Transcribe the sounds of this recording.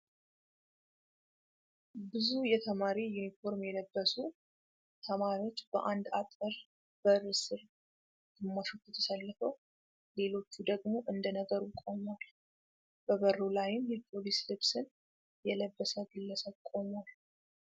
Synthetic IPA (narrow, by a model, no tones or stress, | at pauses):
bɨzujɛt̪ʰəmaɾijunifo̞ɾmjɛləbːəsu | t̪ʰəmaɾiwo̞t͡ʃːb̥əʔand̪at̪ʼːɨɾ | b̥ərːsɨɾ | d̪̥ɨmːaʃo̞t͡ʃːjɛt̪ʰəsəlːəfəw | le̞lo̞t͡ʃːud̪əɡmo̞ʔɨnd̪ənəɡəɾukʼo̞mal | b̥əbərːolajɪmjɛpʰo̞lislɨβsɨn | jɛləbːəsəɡɨlːəsəβkʼo̞mal